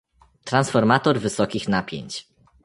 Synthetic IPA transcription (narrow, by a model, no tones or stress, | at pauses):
t̪ɾansfɔɾmat̪ɔɾvɘsɔkʲixnapʲjḛɲt͡ɕ